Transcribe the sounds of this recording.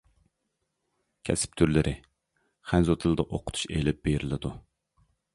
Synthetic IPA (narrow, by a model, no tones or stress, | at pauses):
kʲʰɛ̰sɪ̥p̚t̪ʰyɾlɪɾʔɪ | χænzot̪ʰɨlˠɨd̪ɑʔoqʰʊ̥t̪ʰu̥ʃḛjlɪp̚b̥eɾɪlɪd̪u